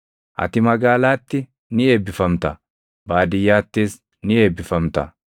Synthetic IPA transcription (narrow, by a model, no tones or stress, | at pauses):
ʔɐ̰t̪ɪmɐɡaːlaːt̪ːɪ | nɪeːbːɪfɐmt̪ɐ | baːd̪ɪjaːt̪ːeːs | nɪeːbɪfɐmt̪ɐ̰